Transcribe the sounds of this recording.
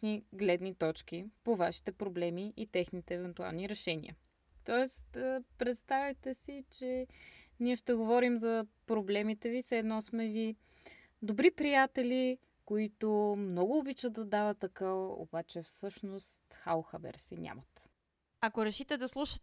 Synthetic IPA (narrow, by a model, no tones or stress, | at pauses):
niɡlɛd̪nit̪ɔt͡ʃk̟ipovaʃi̥t̪ɛpɾoblɛmiʔit̪ɛxnit̪ɛːvɛnt̪ua̰lˠniɾɛʃɛnʲḭə̰ | t̪ɔɛst̪əpɾɛt̪st̪avɛt̪ɛsit͡ʃɛniɛʃt̪ɛɡovɔɾimzɐpɾoblɛmit̪ɛvisɛːd̪nɔsmɛvi | d̪obɾipɾijat̪ɛlʲi | koit̪omnɔɡʊːbit͡ʃət̪ːɐd̪avət̪ːɐkəo̰bat͡ʃɛfsɤʃnost̪xawxabɛ̰ɾsḭnʲʔa̰mət̪ | ɐkoɾɛʃit̪ɛd̪ɐslˠuʃə̥